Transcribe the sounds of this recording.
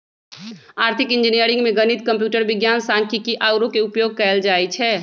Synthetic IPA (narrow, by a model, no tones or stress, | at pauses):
aːɾt̪ʰikɪnd͡ʒinijəɾĩŋɡmeɡənit̪kə̃mpjuːʈəɾbɪɡjaːnsãŋkʰikiʔaɡɾõkeupjoːɡ̚kɛɛld͡ʒaːɛt͡ʃʰɛː